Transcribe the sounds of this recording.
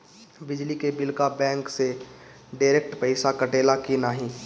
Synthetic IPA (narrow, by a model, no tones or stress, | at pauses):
bɪd͡ʒlikebɪlkabɛ̃ːŋkse | ɖaːɪɾeːk̚ʈpəɪsakɐʈeːlakinaːɦĩː